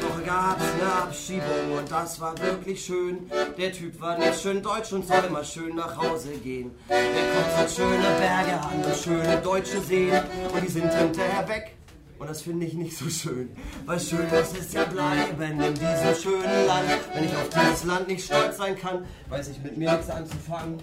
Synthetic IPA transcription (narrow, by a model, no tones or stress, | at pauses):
dv̥ɔχəɡaːpsɡ̥aːpʃiːbʊŋʊnt̚d̥asv̥aːɐvɪɐklɪçʃøːnd̥eːɐtʰyːpv̥aːɐnɪʃøːndɔʏt͡ʃʊntz̥ɔləmaːlʃøːnːaːχhaʊzəɡeːən | deːɐkʰɔntɪʃøːnəbɛɐɡəhabm̩dʊʃøːnədɔʏt͡ʃəzeːənʔʊntd̥iːzɪnthɪntɐheːɐvɛk | ʔʊnt̚d̥asfɪndəɪçnɪçtz̥oːʃøːnvaɪlʃøːndɔsɪstjaːblaɪbɛnɪndiːzəmʃøːnənlantvɛnɪçaʊfd̥iːzəslant̚nɪçtʃtɔlt͡sz̥aɪnkʰan | vaɪsɪçtmɪtmiːɐnɪçtsʔant͡sufaŋən